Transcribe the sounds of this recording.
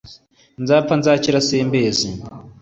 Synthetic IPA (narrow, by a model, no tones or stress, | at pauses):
nzaːp̪fanzaːciɾaseːmbeːzi